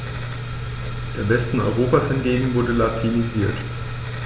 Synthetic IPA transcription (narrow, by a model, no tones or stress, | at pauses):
d̥eːɐvɛstn̩ɔ̰ʏʁ̞oːpaːshɪnɡeːbm̩vʊɐdəlatʰiniziːɐt